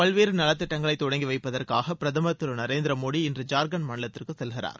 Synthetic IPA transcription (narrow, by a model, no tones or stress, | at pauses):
pɐɭʋeːɾɯnɐlɐt̪ːɪʈːɐŋɡɐɭɐɪt̪ːɔɽɐŋɡiʋɐɪpːɐðɐrkaːɣɐpɪɾɐðɐmɐt̪ːɯlɯnɐɾeːnd̪ɪɾɐmoːɽiɪndrɯd͡ʒaːɾɡɐnmɐɳɪlɐt̪ːɪrkɯsɛlɣɪɾa̰ːɾ